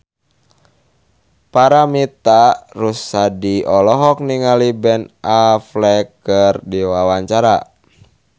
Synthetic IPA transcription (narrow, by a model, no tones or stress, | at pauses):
paɾamit̪arusːadiɔlɔɦɔk̚niŋalibɛnaflɛkərdiwawaɲt͡ʃaɾa